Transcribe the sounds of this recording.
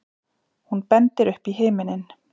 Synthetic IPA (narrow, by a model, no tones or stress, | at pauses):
hunpɛnt̪ɪɾʏhpiɦeːmɪnɪn